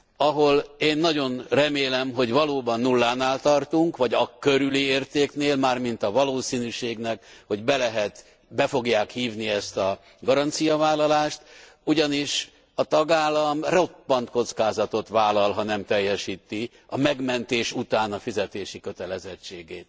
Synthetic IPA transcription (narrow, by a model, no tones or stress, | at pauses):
ɒɦo̞leːnːɒɟo̞nrɛmeːlɛmɦo̞ɟvɒloːbɒnːulːaːnaːlt̪ɒrt̪uŋkʋɒɟɒkøɾylieːrt̪eːkneːlmaːrmint̪ɒvɒloːsiːnyʃeːɡnɛkho̞ɟbɛlɛɦɛt̪ | bɛfo̞ɡjaːkhiːvniɛst̪ɒ | ɡɒɾɒnt̪sijɒvaːlːɒlaːʃt̪ | uɟɒniʃ | ɒt̪ɒɡaːlːɒmro̞pːɒnt̪ko̞t̪skaːzɒt̪o̞t̪ʋaːlɒlɦɒnɛmt̪ɛjːɛʃiːt̪i | ɒmɛɡmɛnt̪eːʃut̪aːnɒfizɛt̪eːʃikø̞t̪ɛlɛzɛt͡ʃːeːɡeːt̪